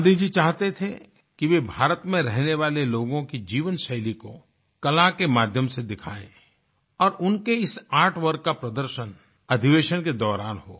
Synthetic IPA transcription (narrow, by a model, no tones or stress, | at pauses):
d̪id͡ʒit͡ʃaːɦt̪et̪ʰḛ | kiʋebʱaːɾət̪mẽɾɛɦneʋaːleloːɡõkid͡ʒiːʋənʃɐɦliko | kɐlakemaːd̪ʱjəmsed̪ɪkʰaːḛ̃ː | ɔːɾʊnkeɪsaːʈʰʋɐɾɡkapɾɐd̪əɾʃən | ɐd̪ʱiʋeːʃənked̪ɔːɾaːnɦo̰ː